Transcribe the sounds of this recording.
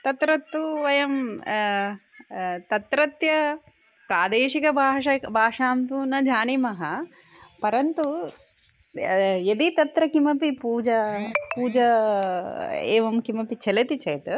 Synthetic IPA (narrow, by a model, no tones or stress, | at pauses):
t̪ɐt̪ɾɐt̪ːuʋɐjɐm | t̪ɐt̪ɾɐt̪jɐ | pɾaːd̪eːʂikɐbʱaːɐbʱaːʂaːmt̪uːnɐd͡ʒʱaːnimɐɦɐ | pɐɾɐnt̪u | jɐd̪it̪ɐt̪ɾɐkimɐpipuːd͡ʒɐpuːd͡ʒɐ | ḛːʋɐmkimɐpit͡ʃʰɐlɐt̪it͡ʃɐjt̪ɨ